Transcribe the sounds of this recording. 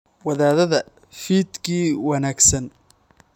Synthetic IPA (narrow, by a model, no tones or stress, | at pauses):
wɐðaːðɐðɐ | fiːd̪kʰiːwɑnaːɡsɐn